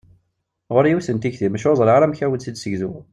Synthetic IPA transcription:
ʁʊɾjusənt̪içθimæʃozˤlʕaɾæmçæwəd̪sid̪səʝzu

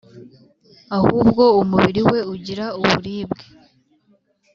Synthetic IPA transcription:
ahuːb̚ɡo̞umuβiɾiwe̞uɟiɾauβuɾiːbɡe̥

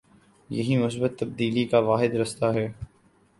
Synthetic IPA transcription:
jɐ̰ɦimʊs̬bət̪ːɐb̚d̪iːlikaʋaːɦɪd̪ɾɐst̪aɦɛː

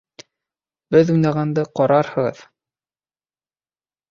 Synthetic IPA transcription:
b̥ɘðujnɑʁɑnd̪ɤqɒɾɑɾhɤ̆ʁɤ̰ð

